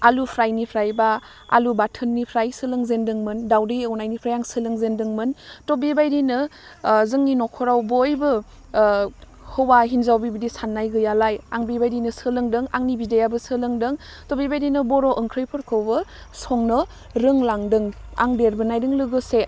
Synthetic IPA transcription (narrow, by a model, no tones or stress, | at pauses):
alupʰɾajnipʰɾajba | a̰lubatʰənːipʰɾajsɯlɯŋzendɯŋmɯndawdɯjɯwnajnipʰɾajaŋsɯlɯŋzendɯŋmɯntobibajɾinɯzɯŋninɔkʰɔɾawbojbɯ | hɯwaɦinzawbibidisanːajɡɯjalaja̰ŋbibajdinɯsɯlɯŋdɯŋaŋnibidejabɯsɯlɯŋdɯŋ | tobibajɾinɯbɔɾoʔəŋkʰɾɯjpʰɯɾkʰɯwbɯ | sɔŋnɯ | ɾɯŋlaŋdɯŋa̰ŋbeɾbɯnajdɯŋlɯɡɯse